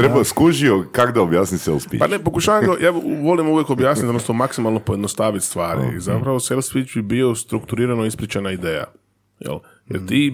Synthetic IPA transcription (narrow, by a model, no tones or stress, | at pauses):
t̪ɾebaskuʒiokaɡd̪aobjaːsnisḛlˠspḭpa̰nepo̞kuʃaːʋaŋɡajaːʋo̞limuʋjeko̞bjaːsnit̪onost̪omaksimalˠno̞poje̞d̪nost̪aːʋit̪st̪ʋaːɾḭḭzapɾaʋoselˠspit͡ʃbibio̞st̪ɾukt̪uɾiːɾanoispɾit͡ʃenaid̪eːja̰ | jḛl | jeɾt̪iː